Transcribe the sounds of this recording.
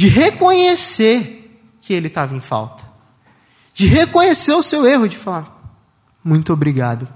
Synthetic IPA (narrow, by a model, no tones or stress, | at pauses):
d͡ʒɪɦekõɲeseɾ | kɪelɪt̪avɐẽj̃fa̰wt̪ɐ̥ | d͡ʒɪɦekõɲeseɾʊseweɦʊd͡ʒɪfalaɾ | mũj̃t̪obɾiɡad̪ʊ